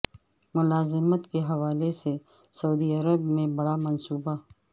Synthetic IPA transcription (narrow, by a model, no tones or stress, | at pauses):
mʊlaːzɪmət̪keɦɐʋaːlese | sɐuːd̪iɐɾəbmẽbɐɽamɐnsuːba